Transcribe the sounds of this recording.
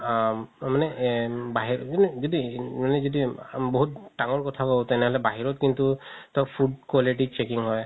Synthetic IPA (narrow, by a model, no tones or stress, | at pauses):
manɛbaɦiɹɔdizɔdimanɛzɔdibɔɦut̚ːaŋɔɹkɔtʰakɔbɔtɛnɛɦɔlɛbaɦiɹɔt̚kintutɔpʰudkaliʈit͡ʃekiŋɦɔj